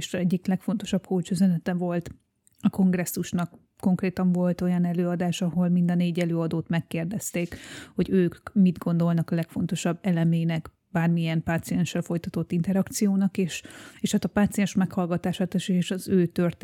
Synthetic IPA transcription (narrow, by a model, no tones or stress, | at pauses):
ʃɛɟːiklɛkfo̞nt̪o̞ʃɒbkolt͡ʃyzɛnɛt̪ɛvo̞lt̪ | ɒko̞ŋɡrɛsːuʃnɒk | ko̞ŋkreːt̪ɒɱvo̞lt̪o̞jɒnɛløːɒd̪aːʃɒɦo̞lmind̪ɒneːɟɛløːɒd̪oːt̪mɛkːeːrd̪ɛst̪eːkho̞ɟøːkmid̪ɡo̞nd̪o̞lnɒkɒlɛkfo̞n̪t̪o̞ʃɒbːɛlɛmeːnɛk | baːrmiɛmpaːt̪sijɛnʃːɛlfo̞jt̪ɒt̪o̞t̪ːint̪ɛɾɒkt̪sijoːnɒkeːʃeːʃhat̪ɒpaːt̪sijɛnʃmɛkhɒlɡɒt̪aːʃaːt̪ɛʃeʃɒzøːt̪ørt̪